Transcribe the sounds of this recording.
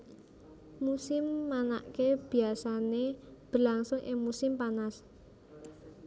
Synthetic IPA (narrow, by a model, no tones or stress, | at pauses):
musɪmːana̰ʔkeb̥i̤asaneb̥əlaŋsʊŋʔɪ̰ŋmusɪmpanas